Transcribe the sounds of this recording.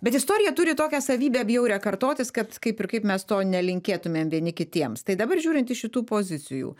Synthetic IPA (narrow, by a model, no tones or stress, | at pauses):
bʲɛt̪ɪst̪oːɾʲɪjɛt̪ʊɾʲɪt̪oːkʲæsɐʋʲiːbʲeːɐbʲjɛʊɾʲɛkɐɾt̪oːt̪ʲɪskɐt̪kɐɪpɪɾkɐɪpmʲɛst̪oːnʲɛlʲɪŋʲkʲeːt̪ʊmʲeːmʋʲiɛnʲɪkʲɪt̪ʲiɛmst̪ɐɪd̪ɐbɐrʒʲuːɾʲɪnt̪ɪʃʲɪt̪uːpoːzʲɪt͡s̪ʲɪjṵː